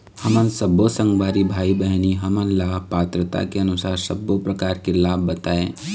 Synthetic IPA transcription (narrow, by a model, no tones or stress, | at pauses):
həmənsəbosə̃ŋɡbaːɾibʱaːibəɦniɦəmənlaːbpaːt̪ɾət̪a̰keənʊsaːɾsəbːopɾəkaːɾkelaːbbət̪aːẽː